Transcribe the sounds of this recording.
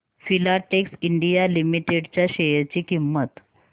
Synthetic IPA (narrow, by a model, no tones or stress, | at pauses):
filaʈeksiɳɖijalimiʈeɽt͡ɕjaɕejəɾt͡ɕiːkimːət̪